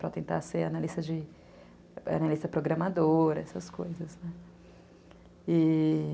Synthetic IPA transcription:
pɾɐt̪ẽnt̪a̰ɾseɾɐnalist̪ɐd͡ʒɪ | ɐ̰nalist̪ɐpɾoɡɾɐmad̪oɾɐɛsɐskojzɐznɛ | ɪ

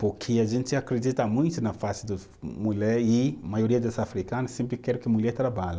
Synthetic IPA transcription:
pukʰiaʒẽnt͡ʃiakɾed̪it̪amũj̃t̪unɐfasid̪u | mulɛimajoɾiɐd̪asafɾikanɐsẽmplikɛɾukimulɛt̪ɾabalɐ

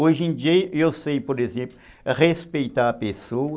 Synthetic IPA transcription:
ojʒẽd͡ʒiɐewsejpoɾezẽmplʊ | respejt̪aɾɐpeso

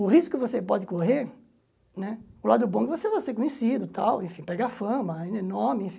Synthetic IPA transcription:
ʊhiskʊkɪvosepɔd̪ɪkoheɾ | nɛʊlad̪ʊbõkɪvosevajseɾkõɲesid̪ʊt̪awẽfĩpɛɡafɐ̃mɐĩenoɾmɪẽfĩ

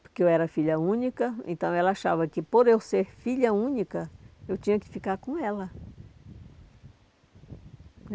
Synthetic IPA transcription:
poɾkeewɛɾɐfiʎɐũnikɐḛ̃nt̪ɐ̃w̃ɛlɐaʃavɐkɪpoɾewseɾfiʎɐũnikɐewt͡ʃĩɲɐkɪ̥fikaɾkõɛlɐ

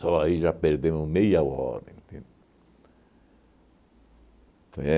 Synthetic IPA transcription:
ɔaiʒapeɾd̪ẽmʊmejaɔ̰ɾɐẽnt̪ĩn | t̪õɛ

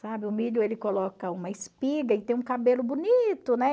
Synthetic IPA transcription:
sabɪʊmiʎʊelɪkolɔkɐũmɐɪspiɡɐɪt̪ẽj̃ũkabelʊbunit̪ʊnɛ

